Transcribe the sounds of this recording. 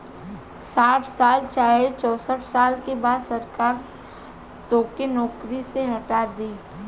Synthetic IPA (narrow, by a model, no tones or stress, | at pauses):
saːʈʰsaːlt͡ʃaːɦet͡ʃɔːsəʈʰsaːlkebaːd̪sɐɾkaːɾ | t̪oːkenɔːkɾiseɦɐʈaːd̪iː